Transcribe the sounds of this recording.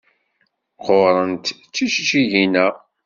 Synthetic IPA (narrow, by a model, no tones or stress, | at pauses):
qoɾˤənt̪t͡sːiʃt͡ʃiʝinæ